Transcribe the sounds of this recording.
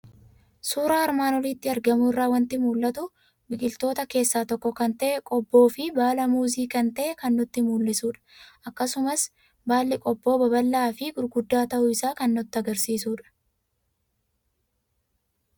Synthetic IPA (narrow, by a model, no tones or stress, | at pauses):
suːɾaːɐɾmaːnɔliːt̪ːɪɐɾɡɐmʊɪrːaːwɐnt̪ɪmuːlːɐt̪ʊ | bɪkʼɪlt̪o̞ːt̪ɐke̞ːsːaːt̪ɔkːɔkɐnt̪ɐʔɛkʼɔbːo̞ːfɪbaːlɐmuːziːkɐnt̪ɐʔɛkɐnːʊt̪ːɪmuːlːɪsuːᶑɐ̥ʔɐkːɐsʊmɐs | baːlːɪkʼɔbːo̞ːbɐbɐlːaːfɪɡʊɾɡʊd̪ːaːt̪ɐʔʊɪsaːkɐnːʊt̪ːɪɐɡɐɾsiːsuːᶑɐ̥